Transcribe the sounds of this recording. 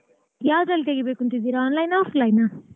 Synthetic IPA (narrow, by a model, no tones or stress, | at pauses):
jaːd̪ɐlit̪̬eɡibeːkunt̪ind̪iɾaːnlɐjnaːflɐjna